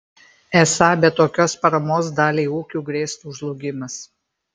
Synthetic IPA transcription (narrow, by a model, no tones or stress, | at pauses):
ɛsɑːbʲɛt̪ːoːkʲoːspɐɾɐmoːsd̪ɑːlʲeːuːkʲuːɡɾʲeːst̪uːʒlˠʊɡʲɪmɐs